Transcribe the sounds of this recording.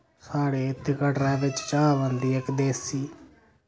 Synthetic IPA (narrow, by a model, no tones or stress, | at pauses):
saːɽeːɪt̪ːɪkəʈɾaːʋɪt͡ʃt͡ʃaːʋə̃nd̪iːekd̪eːsiː